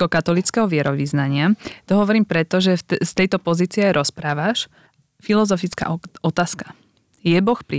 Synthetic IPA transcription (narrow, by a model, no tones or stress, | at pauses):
kɔkat̪ɔlit͡skɛɦɔʋɪɛɾɔʋiznaɲɪat̪ɔɦɔʋɔɾiːmpɾɛt̪ɔʒɛst̪ɛjt̪ɔpɔziːt͡siɛajɾʔɔspɾaːʋaʃ | filɔzɔfit͡ska̰ʔɔt̪aːskḁ | jɛbɔxpɾi